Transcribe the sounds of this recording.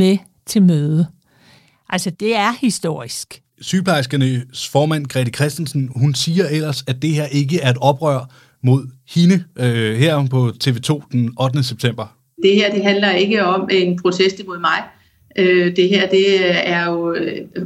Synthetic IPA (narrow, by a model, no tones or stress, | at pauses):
me | t͡sʰe̝lmøːðˠə | ʔælsəd̥e̝æɐhisd̥o̝̰ɐ̰isɡ̥ | syːpʰɑ̈ɪsɡ̥ɐnəsfɒːmæn̰kʰʁɛd̥ikʰʁɛsd̥en̩sn̩hunsiːɐel̰ɐsæd̥e̝heɐ̰ʔe̝ɡəæɐe̝d̥ɒ̽b̥ʁœɐ̰ | mo̝ð̞̰ˠhinəheɐ̰pʰɒ̽t͡sʰe̝ʋe̝ːt͡sʰo̝̰ːd̥enɒ̽d̥ənəseb̥̚t͡sʰem̰b̥ɐ | d̥e̝heɐ̰d̥e̝ɦænlɐe̝ɡ̥əɒ̽menpʰʁo̝sʰesd̥imo̝ð̰ˠmɑ̈ɪ | ʔød̥e̝ɦeɐ̰d̥e̝æɐjo̝